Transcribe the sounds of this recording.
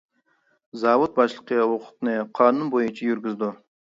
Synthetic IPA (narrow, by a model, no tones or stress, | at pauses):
zɑvʊt̪̚bɑʃlˠəqːɑwoqə̥t̪əneqʰɑnʊnbojənt͡ʃʰɑjʏɾɡʲɪzd̪ɪ